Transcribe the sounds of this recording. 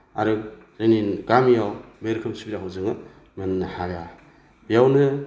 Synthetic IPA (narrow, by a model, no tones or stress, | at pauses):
a̰ɾɯ | zeninɡamijawmeɾkʰɯmsubiɾaɦawzɯŋɯ | mɯnhaɡa | bijawnɯ